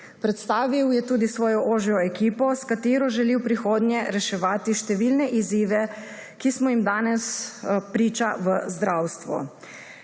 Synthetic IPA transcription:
pɾɛt̪st̪aːʋiwjɛt̪uːd̪isʋɔːjɔʔoːʒiɔɛkiːpɔskat̪eːɾɔʒɛliwpɾixoːd̪njɛɾɛʃɛʋaːt̪iʃt̪ɛʋilnɛʔiziːʋɛ | kismɔjimd̪aːnɛspɾiːt͡ʃaʋəzd̪ɾaːwst̪ʋṵ

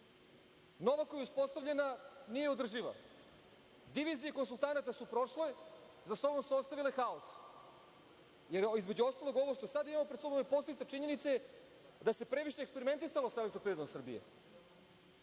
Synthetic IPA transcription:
no̞ʋakojeuspo̞st̪aʋʎe̞nanijeod̪r̩ʒiʋa̰ | d̪iʋizijeko̞nsulˠt̪anat̪asupɾo̞ʃle | zaso̞bomsuost̪aʋilexaos | jeɾizme̞d͡ʑuo̞st̪alˠo̞ɡo̞ʋoʃt̪o̞sad̪imamopɾed̪so̞bompo̞seit̪et͡ʃiɲe̞nit̪se | d̪ase̞pɾe̞ʋiʃeːkspeɾime̞nt̪isalosele̞kt̪ɾopɾiɾd̪omsr̩bije̞̰

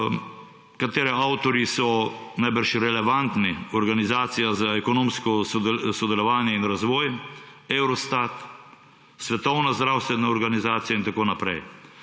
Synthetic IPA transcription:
kat̪eːɾɛawt̪ɔɾjisɔnajbəɾʃiɾɛlɛʋant̪niɔɾɡanizaːt̪sijazaɛkɔnõːmskɔsɔsɔd̪ɛlɔʋaːnjɛinɾazʋɔːj | ewɾɔst̪at̪ | sʋɛt̪ɔwnazd̪ɾawst̪ʋɛnaɔɾɡanizaːt̪sijaint̪akoːnapɾɛ̰j

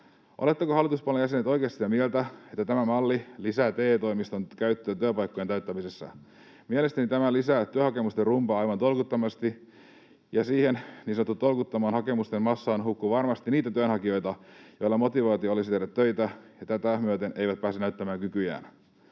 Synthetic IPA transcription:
ʔo̰let̪ːekohɑlːˑit̪uspɑlejæs̬enet̪o̞ijkeɑst̪it̪ɑmielt̪æet̪ːæt̪æmæmɑlːilisæt̪eːt̪oijmist̪onkæyt̪ːøːt̪yøpɑjkːojenæyt̪ːæmisesːɑ̰ | mielest̪ænit̪æmælisæt̪yøhɑkemust̪erumpɑɑjʋɑnt̪o̞lkut̪ːɑmɑst̪i | jɑsiːhennisnot̪ːut̪o̞lkut̪ːɑmɑːnhɑkemust̪enmɑsːɑːnɦukːuʋɑrmɑst̪iniːt̪æt̪yønhɑkio̞jt̪ɑjo̞jlːɑmo̞t̪iʋɑːt̪io̞lisit̪edæt̪tøit̪æjɑt̪æt̪æmyøt̪enejʋæt̪̚pæːsenæyt̪ːæmæːŋkykyjæ̰ːn

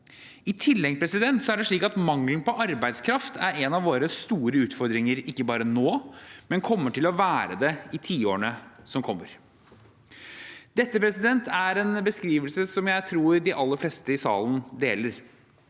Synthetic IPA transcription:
ɪt̪ʰɪlːɛŋpʰɾɛsɪd̪ɛnt̪sɔæɖɛʂɭiːkɑt̪mɑŋlnpɔʔɑɾbæɪd̪skʰɾɑft̪ʰæɾɛnɑʋoːɾəst̪uːɾəʉːt̪fɔɾd̪ɾɪŋəɾɪkːəbɑːɾənoːmɛnkʰɔmːəʈɪlɔʋæːɾəd̪ɛɪt̪ʰiːoːɳəsɔmkʰɔmːəɾ | d̪ɛt̪ːəpɾɛsɪd̪ɛnt̪ʰæɾɛnbəskɾiːʋəlsəsɔmjæɪt̪ʰɾuːɾɖɪʔɑlːəfleːst̪əɪsɑ̰ːlən̩d̪eːləɾ

